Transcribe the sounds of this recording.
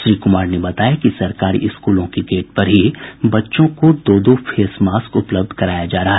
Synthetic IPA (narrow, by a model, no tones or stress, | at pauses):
ʃɾiːkʊmaːɾnebɐt̪aːjakisɐɾkaːɾḭʔɪskuːlõkiɡeːʈ̚pɐɾɦibɐtːʃõkod̪oːd̪ofʰeːsmaːskʊpləb̚d̪ʱkɐɾaːjad͡ʒaːɾɐɦaɦ